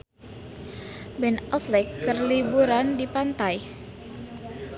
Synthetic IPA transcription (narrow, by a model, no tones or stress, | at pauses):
bɛnɔflɛkːərlibuɾandipant̪aj